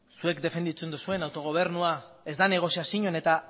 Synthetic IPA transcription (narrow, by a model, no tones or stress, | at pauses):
sue̞kd̪e̞fe̞nd̪it͡send̪usue̞nawt̪o̞ɣ̞o̞β̞e̞ɾnuae̞zd̪ane̞ɣ̞o̞siasiɲo̞ne̞t̪a